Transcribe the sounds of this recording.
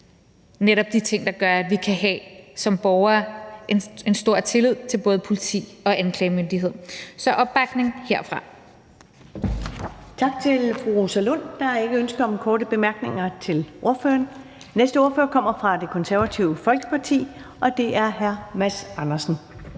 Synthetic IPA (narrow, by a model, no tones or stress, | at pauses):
neɾɒ̽b̥d̥it͡sʰe̝ŋ̰d̥ɑ̈ɡ̥ɶɐæd̥ʋikʰæɦɛ̰sɒ̽mb̥ɒʊɐːene̝nsd̥o̝ɐ̰t͡sʰe̝lið̞̰ˠt͡sʰe̝lb̥ɔ̽ːð̞̩ˠpʰo̝lit͡sʰḭːɒ̽ʔænkʰlɛːmønd̥iɦe̝ð̰ˠsɒ̽ʔɒ̽b̥ɑ̈ɡ̥ne̝ŋhe̝ɐ̰fʁɑ̈ | t͡sʰɑ̈ɡ̥̚t͡sʰe̝lfʁusælon̰d̥ɑ̈e̝ɡ̥əønsɡ̥ɐɒ̽mkʰɒːɾəb̥e̝mæɐɡ̥ne̝ŋɐt͡sʰe̝lʔo̝ɐfø̰ɐn | nesd̥əo̝ɐføːɐkʰɒ̽m̰ɐfʁɑ̈d̥e̝kʰɒ̽nsæɐʋæt͡sʰiʊəfɒ̽lɡ̥ə̥pʰɑ̈t͡sʰḭː | ʔɒ̽d̥e̝ʔæɐɦæɐmæsɑ̈nɐsn̩